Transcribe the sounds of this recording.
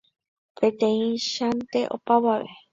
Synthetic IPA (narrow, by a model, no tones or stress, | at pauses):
pʰẽt̪ẽĩʃant̪e̞ʔo̰paβaʋḛ